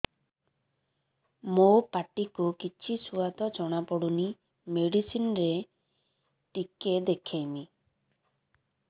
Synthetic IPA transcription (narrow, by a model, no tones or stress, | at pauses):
mopaʈikukit͡ʃʰisuad̪ɔd͡ʒɔɽ̃apɔɽuni | meɽisinɾe | ʈiked̪ekʰejmi